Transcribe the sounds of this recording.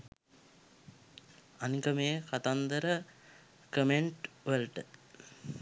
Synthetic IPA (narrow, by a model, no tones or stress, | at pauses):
anikəmeːkat̪and̪əɾə | kəmeɳʈʋəlʈə